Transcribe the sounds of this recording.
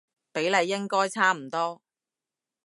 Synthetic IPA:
pe˨˥jlɐ˨˧jːɪ˥ŋkɔː˥jt͡sʰaː˥m̩˨˩t̪ɔː˥

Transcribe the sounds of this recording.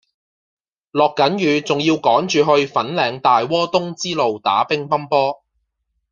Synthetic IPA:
lɔː˨kːɐ˨˥njyː˨˧t͡sʊ˨˩ŋjiː˧wkɔː˨˥ŋt͡ʃyː˨˧ɦɵ˧ɥfɐ˨˥nlɛː˨˧ŋt̪aː˨jwɔː˥t̪ʊ˥ŋt͡siː˥lo˨wt̪a̰ː˨˥pɪ˥ŋpɐ˥mpɔː˥

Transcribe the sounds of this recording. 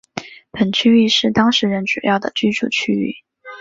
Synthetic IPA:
pə˨˩nt͡ɕʰy˥y˥˧ʂɻ̩˥˩t̪ɑ˥ŋʂɻ̩˧˥ɻə˧˥nʈ͡ʂu˨˩jɑ˥˩ʊd̪ə˩t͡ɕy˥ʈ͡ʂʰṵ˨˩t͡ɕʰy˥y̰˥˩

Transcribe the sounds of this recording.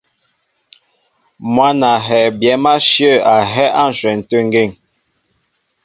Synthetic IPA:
mwa˦na˨ɦɛ˨bjɛ˨˦ma˦ʃjə˦˨a˨ɦɛ˦ʔa˦˨n̩˨swɛ˨n̩˨tə˦ŋ˦ɡe˦˨ŋ

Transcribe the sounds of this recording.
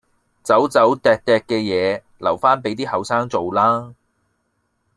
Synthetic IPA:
t͡sɐ˨˥wt͡sɐ˨˥wt̪ɛː˨k̚t̪ɛː˨k̚kːɛː˧jɛː˨˧ | lɐ˨˩wfaː˥npe˨˥jt̪iː˥hɐ˨wsaː˥ŋt͡so˨wlaː˥

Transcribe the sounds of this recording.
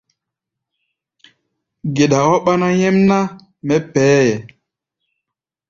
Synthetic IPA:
ɡe˨ɗa˨o˦ɓa˦na˦jɛ˦mna˦ | mɛ˦pɛː˨˦jɛ˨

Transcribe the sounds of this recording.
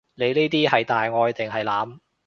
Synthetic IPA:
ne˨˧jneː˥t̪iː˥hɐ˨jt̪aː˨jŋɔː˧jt̪ɪ˨ŋɦɐ˨˩jlaː˨˧m

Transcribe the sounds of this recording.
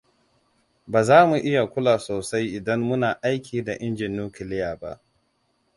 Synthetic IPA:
baː˨zaː˦mu˨ʔɪ˦ja˨kʷʊ˦laː˨soː˨sa˦jʔɪ˨dɐ˦mːʊ˦naː˨ʔa˦jkʲiː˨da˨ʔɪ˦nd͡ʒɪ˨njuː˦kɪ˨lɪ˦jaː˨ba̰˦ʔ

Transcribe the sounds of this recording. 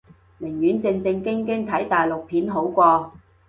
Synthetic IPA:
mɪ˨˩ŋjyː˨˥nt͡sɪ˧ŋt͡sɪ˧ŋkɪ˥ŋkɪ˥ŋt̪ʰɐ˨˥jt̪aː˨˩jlʊ˨k̚pʰiː˨˥nɦo˨˥wkʷɔː˧

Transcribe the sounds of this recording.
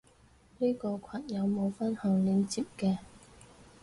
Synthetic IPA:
niː˥kɔː˧kʷʰɐ˨˩n̚jɐ˨˧wmo˨˧wfɐ˥nhɐ˨˩ŋliː˨˧nt͡siː˨˩p̚kɛː˧

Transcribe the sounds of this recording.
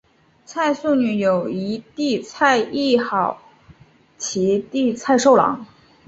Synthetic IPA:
t͡sʰa˥˧ɪsu˥˩ny˧˥jo˨˩ʊi˧˥t̪i˥˧t͡sʰa˥˧ɪi˥˩xɑ˨˩˦ʊ | t͡ɕʰi˧˥t̪i˥˧t͡sʰa˥˧ɪʂo˥˩ʊlɑ̰˧˥˦ŋ

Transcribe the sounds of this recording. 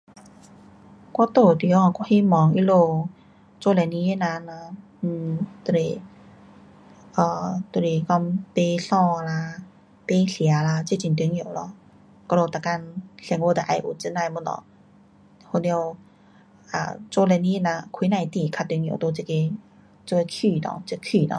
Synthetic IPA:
kɔ˧˦t̪o˧˩t̪i˧˦ɔ˧˨kɔ˧˦hi˧˨mɔ˨˦ŋʔi˧˥lo˧ | t͡so˧lɛ˧˨ni˧˦e˧˨na˧na˧˩˧ | t̪u˧˨le˧˩ | ʔɔː˧˩t̪u˧˨le˨˩kɔ˧mpe˧˦ɬɔ˧la˧ | pe˧˦ɬi˨a˨˦la˧t͡se˧˨t͡ɕi˧˨nt̪y˧˦ŋĩ˧˩˨wlɔ˧˩ | kɔ˧lo˧˩t̪a˧˩ka˧nɬɛ˧˩ŋwo˧˩d̪a˨ʔa˧˩jʔṵ˧˩t͡sɨ˧˥na˧˨mu˧˥nlɔ̰˧˦ | ho˧˨ni˧ə˧w | ʔa̰˨˩t͡so˧lɛ˧ni˧˦e˧˥na˧kʰi˧˦nã˧˩jt̪i˧˩kʰa˧t̪ŋj̰wt̪o˧t͡se˧ke˧ | t͡so˧e˧kʰiː˧˩nɔ̰˧˨t͡skʰiː˧˩˨nɔ̰˧

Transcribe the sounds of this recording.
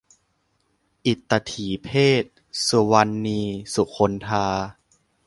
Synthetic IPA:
ʔi˨˩t̪ːa˧t̪ʰiː˨˩˦pʰeː˥˩t̪̚ | su˨˧˩wa˧nːiː˧su˨˩kʰo˧nt̪ʰaː˧

